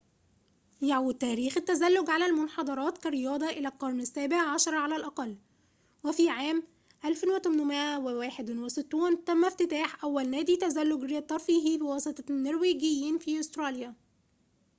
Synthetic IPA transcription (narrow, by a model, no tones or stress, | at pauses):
jaʕwd̪̚t̪ːæːɾiːxɪt̪ːæzælːʊɡʕalælmʊnħɑd̪ˤɑɾˤɑːt̪kæɾɪjɑːd̪ˤɑʔɪlælqɑɾˤnɪsːæːbeʕʕaʃɑɾˤɑʕalælʔɑqɑlː | wefiːʕaːm | ʔælfɪnwet̪ʊmnʊmɪʔæwewæːħed̪nwesɪt̪ːuːnt̪æmːæft̪ɪt̪æːħʔæwːælnæːd̪it̪æzælːʊɡɾet̪ˤːɑɾˤfiɦiːbewɑsˤɨt̪ˤɑnːeɾwiːɡɪjːiːnfiːʔost̪ɾˤɑːljæ